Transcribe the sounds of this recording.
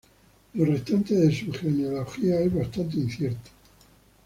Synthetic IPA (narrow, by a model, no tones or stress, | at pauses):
lorest̪ant̪eðesuxeneoloxiaezβast̪ant̪ein̟θjeɾt̪o̥